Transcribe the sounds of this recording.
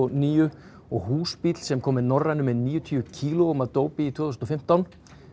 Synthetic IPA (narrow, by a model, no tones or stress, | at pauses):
niːjʏ | ɔɣhuːspiːt̪l̥sɛmkʰɔːmɪnɔrːajnʏmɛðniːjʏt̪ʰyʏcʰiːlʊɔmaðt̪oːwpɪit̪ʰvɔːθusnɔfɪm̥t̪awn